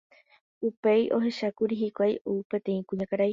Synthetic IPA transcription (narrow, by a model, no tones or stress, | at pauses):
upe̞jʔo̞ɦe̞ʃakuɾiɦikʷajʔupẽ̞t̪ẽ̞ĩkũɲãkaɾaj